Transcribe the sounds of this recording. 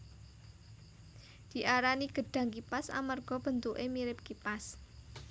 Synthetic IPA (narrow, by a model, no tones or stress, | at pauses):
d̪̥i̤ʔaɾaniɡ̥ə̤ɖ̥ä̤ŋkipasa̰marɡ̥ɔ̤b̥ə̤nt̪uʔemiɾɪp̚kipas